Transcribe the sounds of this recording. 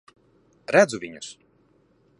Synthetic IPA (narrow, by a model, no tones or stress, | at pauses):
ɾæd̪zuvʲiɲus